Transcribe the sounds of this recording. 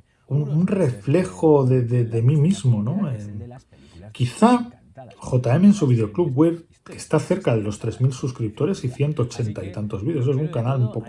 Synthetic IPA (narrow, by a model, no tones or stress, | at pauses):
ununre̞fle̞xo̞ðeðeðe̞mimizmo̞no̞e | kiθa | xo̞t̪ae̞meːnsuβ̞ið̞eo̞kluβɣwe̞β | ke̞st̪aθe̞ɾkað̞e̞lo̞st̪ɾe̞zmilsuskɾip̚t̪o̞ɾe̞siθje̞nt̪o̞ːt͡ʃe̞nt̪ait̪ant̪o̞zβiðeos̬esuŋkanalumpo̞k